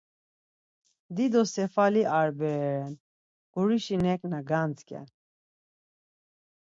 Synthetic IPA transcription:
d̪id̪ɔsɛfaliʔaɾbɛɾɛɾɛn | ɡ̥uɾiʃinɛkʼnaɡant͡skʰʼɛ̰n

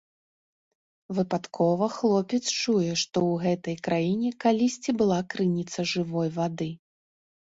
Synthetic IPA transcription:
vɨpat̪kʰɔvɐxlˠɔpʲɛt̪st͡ʂujɛʂt̪ɔwɣɛt̪ɐjkɾʔajinʲɛkalʲisʲt͡sʲibɨlˠakɾɨnʲit̪sɐʐɨvɔjvad̪ɨ

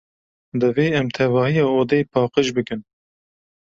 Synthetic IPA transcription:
d̪ɨveːɛmt̪ʰɛvɑːhijɑːoːd̪ɛjpʰɑːqəʃbɨkɨn

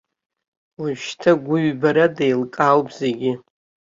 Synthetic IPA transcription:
lɨʃtʰaɡʷʊɥbaɾadejlkʼalwpʰʼze̞ɡʲɪ

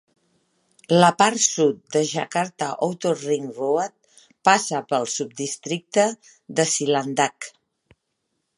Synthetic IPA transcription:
ləpaɾsut̪̚d̪əʒakaɾt̪aʔowt̪oriŋruət̪̚ | pasəpəlˠsup̚d̪ist̪ɾik̚t̪ə | ðəsiland̪ak

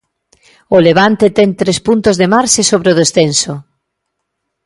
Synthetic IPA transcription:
oleβ̞ant̪et̪ɛŋt̪ɾespunt̪ozðemaɾʃesoβɾeoðesθenso

